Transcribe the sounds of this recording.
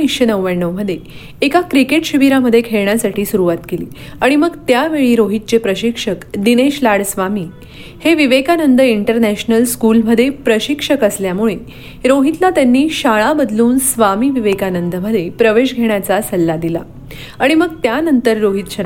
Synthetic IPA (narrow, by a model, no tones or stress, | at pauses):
ikɕənəwʋəɳːəwməd̪ʱːjeː | kakɾikeʈɕiʋiɾaməd̪ʱːjekʰeɭɳjasaʈʰiːsuɾuʋat̪kelḭːaɽ̃iməɡt̪jaʋeɭiːɾoɦit̪̚t͡ɕepɾəɕikʂəkd̪ineɕlaɽsʋamiː | heʋiʋekanənd̪əiɳʈəɾnæɕnəlskulməd̪ʱːjepɾəɕikʂəkəsljamuɭe | ɾoɦit̪lat̪janːiːɕaɭabəd̪luːnsʋamiːʋiʋekanənd̪əməd̪ʱːjepɾəʋeɕɡʱeɳ̃jat͡sasəlːad̪ila̰ | aɽ̃iməɡ̚t̪janənt̪əɾːoɦit̪ɕə